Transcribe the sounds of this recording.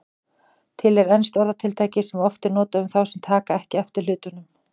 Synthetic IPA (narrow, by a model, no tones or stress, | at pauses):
t̪ʰɪlɛɾɛnst̪ɔɾðat̪ʰɪlt̪ʰaːjcɪsɛmɔft̪ɪnɔːt̪aʏmθawsɛmt̪ʰaːkaɛhcɪɛft̪ɪ̥lʏːt̪ʏnʏm